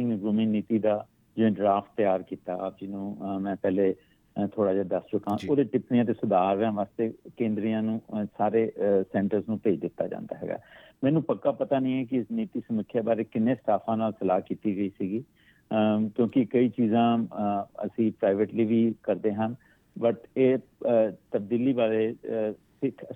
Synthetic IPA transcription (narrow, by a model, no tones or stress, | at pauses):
ɪ̃ŋɡʊmĩːniːt̪iːd̪aː | d͡ʒɪʋẽːɖɾaːfʰt̪̚t̪ːɪjaːɾkiːt̪aːd͡ʒɪnũːmɛ̃ːpɛːleː | t̪ʰoːɽaːd͡ʒaːd̪əst͡ʃʊkãːoːd̪eːʈɪpnijãːt̪̬eːsʊd̪aːɾːãːʋaːst̪eːkẽːnd̪ɾijãːnũːsaːɾeːsɛ̃ːɳʈəɾznũːpeːd͡ʒd̪ɪt̪ːaːd͡ʒã̰ːnd̪a̰ːɦɛ̰ːɡa̰ːmɛːnũːpəkːaːpət̪aːnĩːɛːkɪɪsniːt̪iːsəməkʰːjaːbaːɾeːkɪneːsʈ̪aːpʰãːnaːlsəlaːkiːt̪iːɡəiːsiːɡiː | kjõːkɪkəiːt͡ʃiːzãː | ə̰sĩːpɾaːɪʋeːʈliːʋiːkəɾd̪eːɦən | bəʈeː | t̪əb̚d̪iːliːbaːɾeːsɪkʰ